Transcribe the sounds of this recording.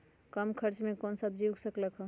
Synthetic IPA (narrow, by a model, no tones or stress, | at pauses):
kəmkʰəɾt͡ʃmekonsəb̚d͡ʒiwɡsəkləkɦə̃